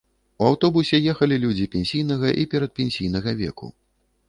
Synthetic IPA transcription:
uawt̪ɔbusʲɛjɛxɐlʲilʲud͡zʲipʲɛnʲsʲijnɐɣɐʔipʲɛɾɐt̪̚pʲɛnʲsʲijn̪ɐɣɐvʲɛ̰kṵ

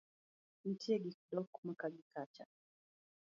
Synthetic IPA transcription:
n̩tʰiɛɡikdɔkmakaɡikat͡ʃa̰

